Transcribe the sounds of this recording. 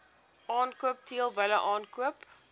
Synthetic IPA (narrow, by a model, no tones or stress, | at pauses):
ʔɑːnkuəp̚tiəlˠbəjləʔɑːnkuəp